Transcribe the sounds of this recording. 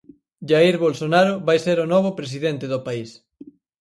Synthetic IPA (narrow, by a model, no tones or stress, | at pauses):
ʒaiɾβolsonaɾoβajseɾonɔβopɾes̬iðent̪ɪðopais